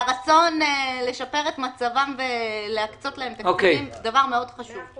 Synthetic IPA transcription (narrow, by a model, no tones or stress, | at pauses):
ʁat͡so̞nle̞ʃape̞ʁetmat͡savamveleakt͡so̞tleempeokeimdavaʁme̞o̞dχaʃuv